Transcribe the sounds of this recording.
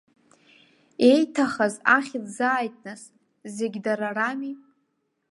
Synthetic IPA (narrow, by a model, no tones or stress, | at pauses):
ejtʰaχazaχʲilzaːjtʰʼnɨs | zeɡʲdaɾarami